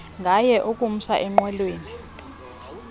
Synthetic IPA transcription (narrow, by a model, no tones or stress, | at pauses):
ŋɡʱajɛʔukʼum̩saʔɛŋ͡ǃwɛlweːni